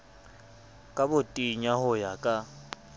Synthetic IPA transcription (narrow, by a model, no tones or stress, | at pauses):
kʼabʊtʼiɲahʊjakʼa